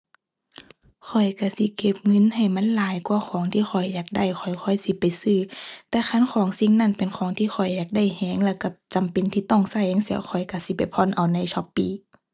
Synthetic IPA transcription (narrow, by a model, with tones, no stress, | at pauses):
kʰɔ˨˩jka˧˩si˧˦ke˧˩p̚ŋɤ˧˥˨nha˧˨˩jma˧˥˨nlaː˨˦jkwaː˧˦xʰɔː˨˦ŋt̪ʰiː˧˨xʰɔ˨˩jːaː˨˩k̚da˧˩˨jxʰɔ˨˩jkʰɔ˧˩jsi˧pa˨jsɯː˧˩t̪ɛː˧˦kʰa˧˥˨nkʰɔː˨˦ŋsi˧˨ŋna˧˩˨npe˨nkʰɔː˨˦ŋt̪ʰiː˧˨xʰɔ˨˩jːaː˨˩k̚da˧˥˩jhɛː˧˦ŋlɛː˧˩wka˧˩t͡ɕa˨mpe˨nt̪ʰiː˧˦t̪ɔ˧˥˩ŋsa˧˩jha˧˨ŋsɛː˧˦wxʰɔ˨˩jka˧˩si˧˦pa˨jpʰɔ˧˥˨nʔa˨˩wna˧˥jt͡ɕʰɔ˧˦pːiː˧˩